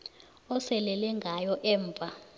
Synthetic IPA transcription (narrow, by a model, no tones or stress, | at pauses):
ɔsɛlɛlɛŋɡʱajɔʔɛːɱvʱa